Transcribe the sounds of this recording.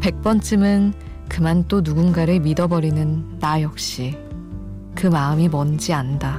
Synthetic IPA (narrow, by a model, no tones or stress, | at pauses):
pe̞k̚p͈ʌnt͡ɕ͈ɯimɯn | kɯmant͈onuɡunɡaɾɯɭmidʌbʌɾinɯntajʌk̚ɕ͈i | kɯmaɯmimʌnd͡ʑianda